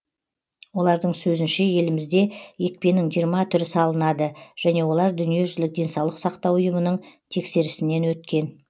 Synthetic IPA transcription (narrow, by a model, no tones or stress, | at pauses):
wo̞lˠɑɾd̪əɴsɵzɪnʃe̞je̞lɪmɪzd̪e̞je̞k̚pe̞nɪŋʒijəɾmɑt̪ʰʏɾɪsɑlˠənɑd̪əʒ̥æne̞wo̞lˠɑɾd̪ʏnije̞ʒʏzlɪk̚d̪ʲe̞nsɑwlˠəq̪sɑqt̪ɑwʊjəmənəɴt̪ʰe̞kse̞ɾɪsɪne̞nwɵt̪kʲe̞n